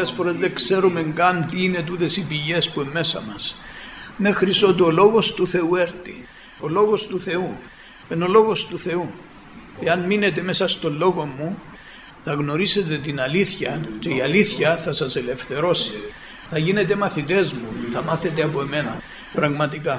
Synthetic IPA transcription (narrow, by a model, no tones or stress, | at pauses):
esfo̞ɾe̞zðe̞kse̞ɾume̞ŋɡɐnt̪iine̞t̪̬ut̪e̞sipiʝe̞spuemːe̞sɐ̰mɐs | me̞xɾiso̞t̪io̞lo̞ɣo̞st̪uθe̞ueɾt̪ḭ | o̞lo̞ɣo̞st̪uθe̞u | eno̞lo̞ɣo̞st̪uθe̞u | e̞ɐnmine̞t̪̬e̞me̞sɐst̪o̞lːo̞ɣo̞mːu | θɐɣno̞ɾise̞t̪e̞t̪inɐliθçɐt͡ʃe̞iɐliθçɐθɐsɐse̞le̞fθe̞ɾo̞si | θɐʝine̞t̪e̞mɐθit̪e̞zmṵθɐmɐθe̞t̪eɐpo̞eme̞nɐ | pɾɐɣmɐt̪ikɐ